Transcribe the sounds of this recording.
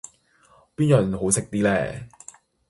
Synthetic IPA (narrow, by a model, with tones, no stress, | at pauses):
piː˥njœ˨˩nɦo˨˥wsɪ˨k̚t̪iː˥lɛː˥˩